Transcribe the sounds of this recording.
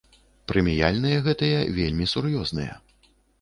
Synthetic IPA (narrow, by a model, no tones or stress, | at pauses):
pɾɨmʲija̰lʲnɨjɐɣɛt̪ɨjɐvʲelʲmʲisurjɔznɨjɐ̰